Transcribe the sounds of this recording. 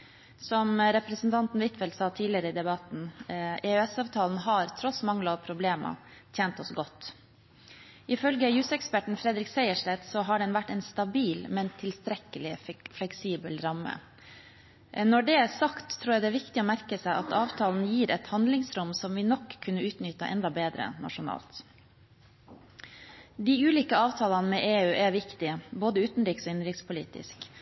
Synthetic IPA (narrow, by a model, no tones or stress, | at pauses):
sɔmɾɛpɾɛsn̩t̪ʰɑnt̪n̩ʋɪt̪fɛlt̪sɑːt̪ʰiːlɪəɾəɪd̪ɛbɑt̪n̩ɛœɛsɑːʋt̪ʰɑːln̩ɦɑɾt̪ʰɾɔsmɑŋləɔʋpʰɾʊbleːmɑ̰t̪ʰjeːnt̪ɔsɡɔt̪ː | ʔɪfœlɡəjʉsɛkspæʈɳ̩fɾɛd̪ɾɪksæɪəʂlɛt̪sɔɦɑɖɛnʋæʈːɛnst̪ɑbiːlmɛnt̪ʰɪlst̪ɾɛkəlɪflɛksiːbəlɾɑmːə̰ | nɔɖɛːæsɑkt̪ʰːɾuːjɛæd̪ɛæːʋɪkt̪ɪoːmæɾkəsæɪʔɑt̪ɑːʋt̪ʰɑːln̩jiːɾɛt̪hɑnd̪lɪŋsɾʊmsɔmʋɪnɔkʰːʉnːəʉːt̪nʏt̪ə̰ʔɛ̰nd̪ɑbeːd̪ɾə̰nɑ̰ʂʊnɑ̰ːlt̪ | d̪iːʉːliːkəɑːʋt̪ʰɑːlɑnmeːʔeːʉːʔæʋɪkt̪ɪboːd̪əʉːt̪n̩ɾiːksoːɪnɾɪkt̪spʊlḭːt̪ɪ̰sk